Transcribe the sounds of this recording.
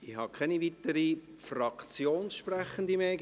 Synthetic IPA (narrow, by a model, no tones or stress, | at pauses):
ihɑkʰɛniʋit̪əɾi | frɑkt͡sjoːnsʃpræχənd̪imeː